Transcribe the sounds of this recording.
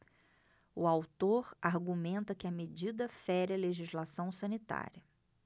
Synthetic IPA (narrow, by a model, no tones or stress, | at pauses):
ʊawt̪oɾaɾɡumẽnt̪ɐkɪɐmed͡ʒid̪ɐfɛɾɐleʒizlasɐ̃w̃sɐ̃nit̪a̰ɾʲiɐ